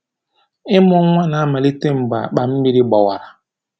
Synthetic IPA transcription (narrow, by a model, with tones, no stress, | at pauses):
ɪ˦mɔ˦ŋʷa˦na˨a˦ma˨li˦te˦m̩˨ɡ͡ba̰˨k͡pa˨m̩˦mi˦ɾi˦ɡ͡ba˨wa˨ɾa˨